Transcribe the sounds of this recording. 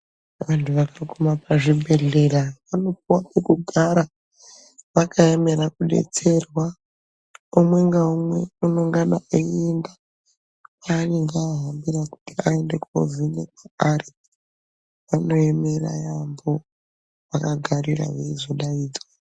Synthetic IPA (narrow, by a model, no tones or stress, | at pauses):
ʋantʰuʋakakomapaʐibʱe̞ɮe̞ɾaʋano̞p̚uwapekuɡʱaɾa | ʋakaeme̞ɾakuɗe̞̰t͡se̞rwa | umwe̞ŋɡaumwe̞unoŋɡanauenda | paneŋɡeaɦambiɾaku̥tiae̞nde̞ko̰vinekaaɾi | ʋano̞emeɾa̰jambo̞ | ʋakaɡʱaɾira̰ʋeizoɗaiːd͡za